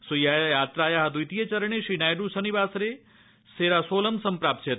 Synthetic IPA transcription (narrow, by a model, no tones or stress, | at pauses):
sujajjaːt̪ɾajaɦəd̪ujt̪ijet͡ʃəɾəɳeʃinajɖusənibaːsɾe | seːɾasoləmsəmpɾap̚t͡ʃʰe